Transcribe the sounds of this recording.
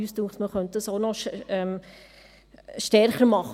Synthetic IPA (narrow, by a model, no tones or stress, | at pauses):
yːstuːχtməχœnt̚d̥əsonɔʃɛm | ʃtɛɾχəɾmɑχ